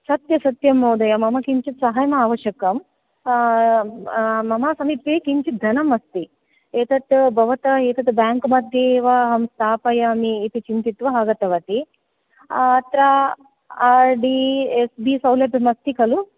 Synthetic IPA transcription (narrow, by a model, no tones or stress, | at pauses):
sɐt̪jɐsɐt̪jɐmːoːd̪ɐjɐmɐmɐkiɲt͡ʃit̪sɐɦajɐmɐaːʋɐʃjɐkɐm | mɐmaːsɐmit̪ːeːkiɲt͡ʃit̪̚d̪ʱɐnɐmɐst̪i | eːt̪ɐt̪bʱɐʋɐt̪ɐeːt̪ɐt̪baːŋkmɐd̪ʱjeːʋaɦɐmst̪ʰaːpɐjɐmiːt̪it͡ʃint̪it̪ʋɐɦaɡɐt̪ɐʋɐt̪i | t̪ɾa | aːɾɖiesbisɐwlɐbɐmɐst̪ikɐlu